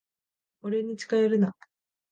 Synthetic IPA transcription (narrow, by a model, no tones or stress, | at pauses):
oɾe̞ɲ̟it͡ɕi̥kaeɾɯ̟na